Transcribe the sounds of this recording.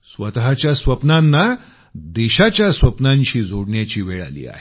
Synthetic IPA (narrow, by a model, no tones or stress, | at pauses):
sʋət̪ɦat͡ɕjasʋəpnanːa | d̪eɕat͡ɕjasʋəpnãɲt͡ɕiːd͡zʱoɽɳjat͡ɕiːʋeɭa̰lḭːa̰ɦe